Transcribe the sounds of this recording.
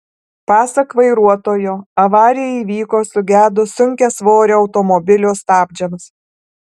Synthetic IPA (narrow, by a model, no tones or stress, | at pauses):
pɑːsɐkʋɐɪɾuɔt̪oːjoːɐʋɑːɾʲɪjɛiʋʲiːkoːsʊɡʲæːd̪ʊsʊŋʲkʲɛsʋoːɾʲeɒʊt̪ɔmɔbʲɪlʲoːst̪ɑːbʲd͡ʒʲɛms